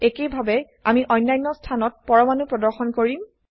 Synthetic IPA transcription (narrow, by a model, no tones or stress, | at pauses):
ekejbʱabɛ | a̰miʔɔjnːajnːɔstʰanɔt̚pɔɹɔmanupɹɔdɔɹxɔnkoɹim